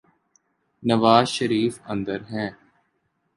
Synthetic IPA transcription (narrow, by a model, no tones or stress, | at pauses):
nəʋaːzʃəɾiːfə̃nd̪əɾɦɛ̃ː